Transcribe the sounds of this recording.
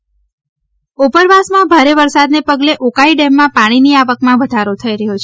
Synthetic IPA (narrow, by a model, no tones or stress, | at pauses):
upəɾʋasmãbʱaɾeʋəɾsad̪nepəɡleʔokaiɖɛmːãpaɽ̃iniaʋəkmãʋəd̪ʱaɾot̪ʰəiɾəɦot͡ʃʰe